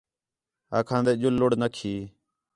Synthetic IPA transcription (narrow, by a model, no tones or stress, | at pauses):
a̰ːkʰãːnd̪eːʄʊlːʊɽnəkʰiː